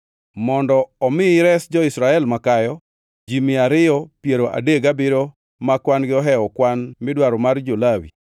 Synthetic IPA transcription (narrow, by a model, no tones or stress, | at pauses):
mɔndɔɔmɪɾɛsd͡ʒɔɪsɾaɛlmakajɔ | d͡ʒimɪaɾɪɔpjeɾoʔa̰deɡabɪɾo | makwanɡɪɔɦɛɔkwanmɪdwaɾɔmard͡ʒolawḭ